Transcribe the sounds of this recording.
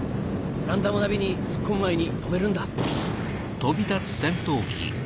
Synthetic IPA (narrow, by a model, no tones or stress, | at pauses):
ɾãnd̪amɯnabʲiɲ̟isɨ̥kʰːɯ̃mːaiɲ̟it̪ome̞ɾɯ̟̃nd̪a | t̪o̞bʲit̪at͡sɨ̥sẽ̞nt̪o̞ːkʲʰḭ